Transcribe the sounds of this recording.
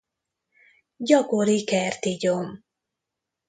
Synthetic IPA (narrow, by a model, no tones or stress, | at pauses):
ɟɒkoɾikɛrt̪iɟom